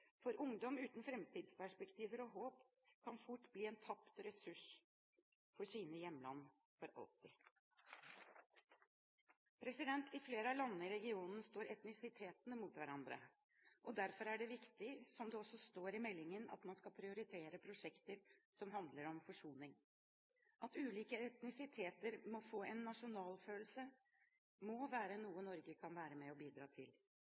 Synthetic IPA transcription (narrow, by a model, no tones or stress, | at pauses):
fɔɾʔʊŋd̪ɔmʉːt̪n̩fɾɛmt̪iːd̪spæʂpɛkt̪ʰiːʋəɾɔɦoːp | kʰɑnfʊʈːbliːɛːnt̪ʰɑpt̪ɾɛsʉʂ | fɔʂiːnəjɛmːlɑ̰nː | fɔɾɑ̰lt̪ɪ | pʰɾɛsɪd̪ɛnt̪ʰɪfleːɾəɑlɑnːəɪɾɛɡɪuːnn̩st̪oːɾʔɛt̪nɪsɪt̪ʰeːt̪nmuːt̪ʋæɾɑnd̪ɾə̰ | ʔɔd̪æɾfɔɾæɖɛʋɪkt̪ɪsɔmd̪ɛɔsɔst̪oːɾɪmɛlːɪŋənɑ̰t̪mɑnskɑpʰɾɪʊɾɪt̪ʰeːɾəpʰɾʊʂɛkt̪əɾsɔmɦɑnd̪ləɾɔmfɔʂuːnɪŋ | ʔɑt̪ʉːliːkəɛt̪nɪsɪt̪ʰeːt̪əɾmɔfoːɛnːɑʂʊnɑːlføːlsə | mɔʋæːɾənuːənɔɾɡəkʰɑnʋæːɾəmɛɔbiːd̪ɾɑ̰ːt̪ʰɪl